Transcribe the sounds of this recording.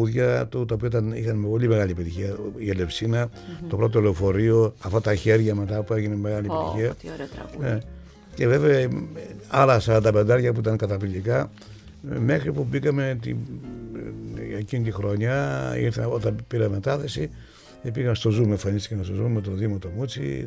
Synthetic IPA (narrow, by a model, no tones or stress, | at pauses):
uðʝɐt̪ut̪ɐopioit̪ɐnixɐnpo̞lime̞ɣɐlipit̪içiɐiele̞fsinɐt̪o̞pɾo̞t̪̬olefo̞ɾio̞ɐft̪ot̪ɐçe̞ɾʝɐme̞t̪ɐpue̞ʝine̞me̞ɣɐlipet̪içiɐne | ce̞ve̞veɐ | ɐlɐsɐɾɐnd̪ɐpe̞nd̪ɐɾʝɐp̬uit̪ɐŋkɐt̪ɐpilikɐ | me̞xɾipubikɐme̞t̪ḭ | ecinit̪ixɾo̞ɲɐḭɾθɐnot̪ɐpiɾɐme̞t̪ɐθe̞si | epiɣɐmst̪o̞zumeɱfɐnist̪ikɐnst̪ozumet̪o̞ðimot̪o̞mut͡sḭ